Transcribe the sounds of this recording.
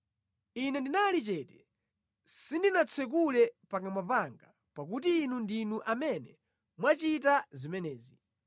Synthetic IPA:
inɛndinalit͡ʃɛtɛ̥ | sindinat͡sʰɛk̬ulɛpakamapaŋɡa | pak̬utiːnundinuʔamɛnɛ | mwat͡ʃitazimɛnɛːzi

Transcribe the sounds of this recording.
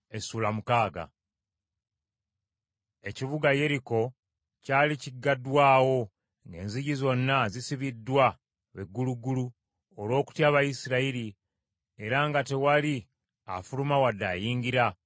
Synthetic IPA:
e̞suːlamukaːɡa̰ | e̞ciβuɡaje̞ɾiko̞ | caːliciɡːadwaːwo̞ | ŋɡe̞̰ːnziɟizo̞nːazisiβidːwa | βe̞ɡːuluɡulu | olwo̞ːku̥tjaːβajisiɾaiɾi | e̞ɾaŋɡate̞wali | a̰fulumawadːaːjiːɲɟiɾa

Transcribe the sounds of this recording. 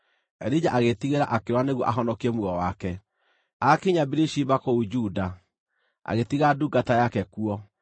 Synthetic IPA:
ɛɾid͡ʒaʔaɣetiɣeɾaʔakeɾwaneɣwɔʔaɦɔnɔkiɛmuɣɔwakɛ | akiɲabiɾiʃiβakoud͡ʒuːda | a̰ɣetiɣaduɡatajakɛkuɔ

